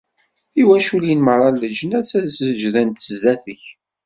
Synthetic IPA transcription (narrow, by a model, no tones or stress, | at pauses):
θiwæʃuljənməɾˤɑlːəd͡ʒənæt͡sːæðsəd͡ʒðænt̪zæθəç